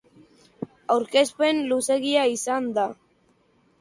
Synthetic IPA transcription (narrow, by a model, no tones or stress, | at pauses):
awɾke̞spe̞nluse̞ɣiaisand̪a